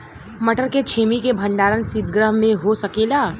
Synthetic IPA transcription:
mɐʈʰəɾket͡ʃʰeːmikebʱə̃ɳɖaːɾənsɪd̪̚ɡɾəɦmẽɦosɐkeːlaː

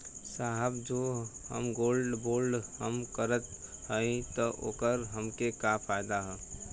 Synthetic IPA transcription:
saɦəbd͡ʒoɦə̰mɡoːlɖboːlɖɦəmkəɾət̪ɦəĩt̪ɔʔo̰ːkəɾɦəmkekapʰajd̪aɦɛː

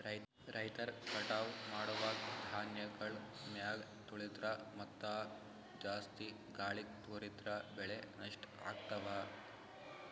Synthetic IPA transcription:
ɾɐj | ɾʔɐjt̪ɐɾkɐʈaːʋmaːɽuʋɐd̪ʱaːnjɐɡɐɭmjaːɡt̪uɭit̪ɾɐmɐt̪ːaː | d͡ʒaːst̪i | ɡaːɭik̚t̪uɾit̪ɾɐbɛɭenɐʂʈa̰ːɡ̚t̪ɐʋaː

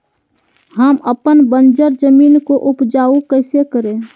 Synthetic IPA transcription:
həməpənbənd͡ʒəɾd͡ʒəmiːnkoʔʊpd͡ʒaːukəɪsekəɾẽː

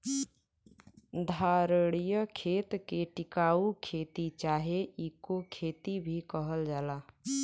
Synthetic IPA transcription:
d̪ʱaːɾəɽ̃ijəkʰeːt̪keʈɪkaːukʰeːt̪it͡ʃaːɦeʔikokʰeːt̪ibʱikəɦəld͡ʒaːlaː

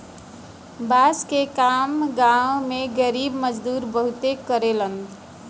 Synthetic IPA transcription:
baskekamɡãwmeɡəɾibməd͡ʒd̪uːɾbəɦut̪ekəɾelən

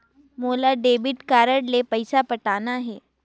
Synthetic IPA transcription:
moːlaɖeːbɪʈkaːɾəɽlepɐɪsapɐʈaːnaɦɛː

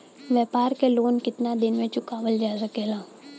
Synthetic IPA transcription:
ʋjɛːpaːɾkeloːnkɪt̪nad̪ɪnmẽt͡ʃʊkaːʋəld͡ʒaːsɐkeːlaː

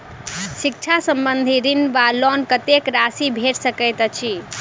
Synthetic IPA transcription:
sik̚t͡ʃʰasəmbənd̪ʱiɾinʋalɔnkət̪ekɾasibʱeʈsəkəjt̪t͡ʃʰi

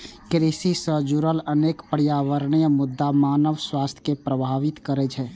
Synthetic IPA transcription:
kɾisisəd͡ʒuɾələneːkpəɾijaːʋəɾɳijəmʊd̪ːamaːnəʋswaːst̪ʰkepɾəbʱaːʋɪt̪kəɾɛd͡ʒʰɛː

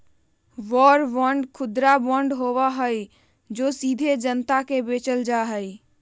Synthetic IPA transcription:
ʋɔːɾbɔ̃ɳɖkʰʊd̪ɾabɔ̃ɳɖɦoːwaɦəi | d͡ʒoːsiːd̪ʱed͡ʒənt̪akebeːt͡ʃəld͡ʒaɦəi

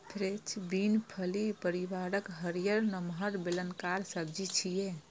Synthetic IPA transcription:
pʰɾet͡ʃʰbinpʰəlipəɾiʋaɾəkɦəɾijəɾnəmɦəɾbelənkaɾsəbd͡ʒit͡ʃʰije

